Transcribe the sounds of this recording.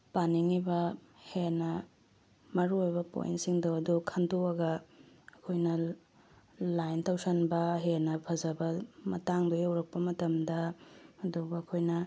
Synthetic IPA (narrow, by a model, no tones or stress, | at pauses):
paniŋibɐhenɐ | mɐɾuojbɐpo̰jḭntsiŋdoɐdukʰɐndoɐɡɐː | kʰojnɐ | lajntɐwsɐnbɐɦenɐpʰɐzɐbɐmɐ̰taŋdojɐwɾɐk̚pɐmɐtɐmdɐɐduɡɐːkʰojnɐ